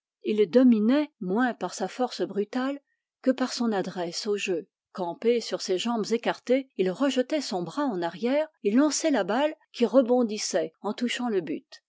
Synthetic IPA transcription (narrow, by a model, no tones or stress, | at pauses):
ild̪ɔminɛmwɛ̃paʁsafɔʁsbʁyt̪al | kəpaʁsɔ̃nad̪ʁɛsoʒø | kɑ̃pesyʁseʒɑ̃bzekaʁt̪eilʁəʒət̪ɛsɔ̃bʁaɑ̃naʁjɛːʁelɑ̃sɛlabalkʲiʁəbɔ̃d̪isɛɑ̃t̪uʃɑ̃ləby̰t̪